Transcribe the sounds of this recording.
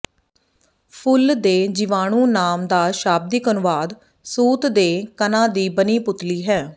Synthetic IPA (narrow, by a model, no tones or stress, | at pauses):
pʰʊld̪eːd͡ʒɪʋaːɽ̃ũːnaːmd̪aːʃaːb̚d̪iːkənʊʋaːd̪ | suːt̪d̪eːkənãːd̪iːbəniːpʊt̪liːɦɛː